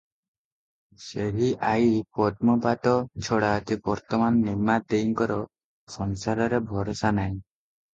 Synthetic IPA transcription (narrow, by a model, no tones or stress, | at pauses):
seɦiʔajpɔt̪̚mɔbaʈɔt͡ʃʰɔɽaɔt̪ibɔɾt̪ɔmanːimad̪ejiŋkɔɾɔ | sɔnsaɾɔɾebʱɔɾɔsanaj̃